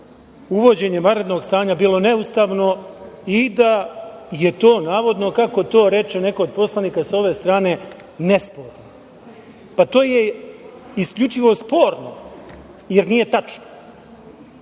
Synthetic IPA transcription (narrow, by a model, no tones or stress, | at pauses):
uʋo̞d͡ʑe̞ɲemaɾed̪noɡst̪aːɲabiːlo̞neust̪aːʋno̞id̪ajet̪o̞ːnaːʋo̞d̪no̞kako̞t̪o̞ːɾe̞t͡ʃene̞kood̪̚po̞slˠaniːkasao̞ʋe̞st̪ɾaːne̞ | nespo̞ːɾno | pat̪o̞ːje | iskʎut͡ʃiʋo̞spo̞ːɾno | jeɾniːje̞t̪at͡ʃno